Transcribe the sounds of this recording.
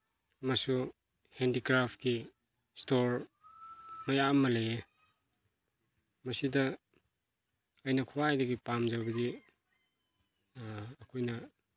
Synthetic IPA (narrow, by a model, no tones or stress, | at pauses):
masu | hendikɾapʰki | stoɾ | mɐjamːɐlee | mɐsidɐ | ɐjnɐkʰuwajdɐɡipamzabɐdi | kʰojnɐ